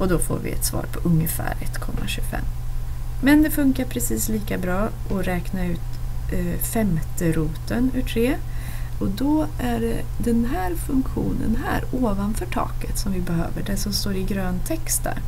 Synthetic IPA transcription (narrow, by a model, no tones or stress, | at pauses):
ɔd̪ɔfo̰ːɾvɪ̰ɛ̰t̪svɑ̰ːɾpʰɔʔɵŋːəfæ̰ːɾɛ̰t̪ːkʰɔmːa̰ɕʉɡfɛ̰mːmɛnd̪ɛfɵŋkaɾpʰɾɛsiːsliːkabɾɑːʔɔɾɛːknaʉ̟ːt̪ | fɛmt̪əɾuːt̪ənʉːʈʰɾeː | ɔd̪ɔʔæɖɛ̰d̪ɛnɦæːɾfɵŋkɧuːnə̰nɦæ̰ːɾoːvanfœʈʰɑ̰ːkət̪sɔmvɪbɛɦø̰ːvəɖɛʂɔmst̪oːɾɪɡɾøːnt̪ʰɛkst̪̚d̪æ̰ːɾ